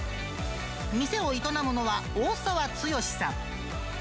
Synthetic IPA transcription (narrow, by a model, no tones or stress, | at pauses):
mʲise̞o̞it̪onamono̞βaoːsaβat͡sɨjo̞ɕi̥sã